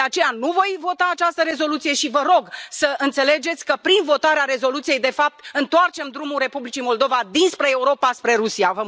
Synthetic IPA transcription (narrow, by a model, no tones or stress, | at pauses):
d̪eat͡ʃe̞januvo̞jvo̞t̪aːt͡ʃast̪əɾe̞zo̞lut̪sije̞ʃivəɾo̞ɡsəʔɨnt̪se̞le̞d͡ʒe̞t̪sʲkəpɾinvo̞t̪aɾeaɾe̞zo̞lut̪sije̞jd̪e̞fap̚t̪ɨnt̪oart͡ʃe̞md̪ɾumulre̞publit͡ʃimo̞ld̪o̞vad̪inspɾe̞ːuɾo̞paspɾe̞ɾusiavə